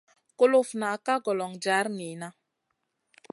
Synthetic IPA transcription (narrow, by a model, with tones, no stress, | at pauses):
ko˦lo˦fna˨ka˦ɡɔ˨lɔ˨ŋd͡ʒa˨˦ɾni˨na˦